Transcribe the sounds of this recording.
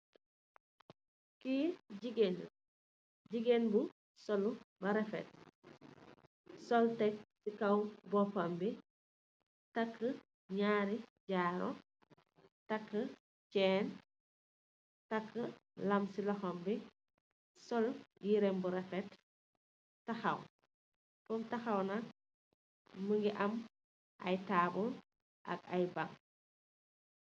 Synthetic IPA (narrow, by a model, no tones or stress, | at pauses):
kiɟiɡen | ɟiɡenbu | sɔlubɐɾɛfɛ̰t̚ | sɔltɛk̚sikawbɔpɐmbi | takːə | ɲaːɾiɟaːɾɔ̰ | takʰːə | t͡ʃɛːn | takːəlɐmsilɔxɐmbi | sɔljiɾɛmbuɾɛpɛt | taxɐ̰w | fumtɐxɐwnɐ | məŋɡiʔɐm | ʔɐ̰jtaːbu | ʔɐ̰kɐjbaŋ